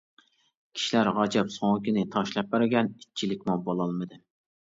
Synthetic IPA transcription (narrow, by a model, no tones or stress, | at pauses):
kʲʰi̥ʃilæɾʁɑd͡ʒɛpsoŋkʲinɪt̪ʰɑʃlˠɑp̚bæɾɡʲɛnit͡ʃʰːilɪkʲmubolˠɑlˠmɨd̪ɨ